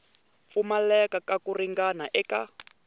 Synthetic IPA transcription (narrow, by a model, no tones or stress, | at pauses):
fumalɛkakakuriŋɡanaʔɛka